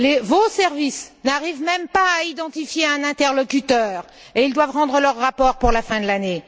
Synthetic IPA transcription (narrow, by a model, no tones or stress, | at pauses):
levosɛʁvisnaʁivmɛmpaːid̪ɑ̃t̪ifjeɛ̃nɛ̃t̪ɛʁlɔkʲyt̪œːʁ | eild̪wavʁɑ̃d̪ʁəlœʁːapɔʁpuʁlafɛ̃d̪əlane